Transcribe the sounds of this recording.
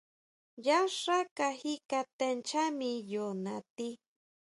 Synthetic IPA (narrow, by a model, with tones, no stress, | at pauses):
ja˦ʂa˦ka˧hikat̪e˧nt͡ʃa˦mijona˨t̪i˦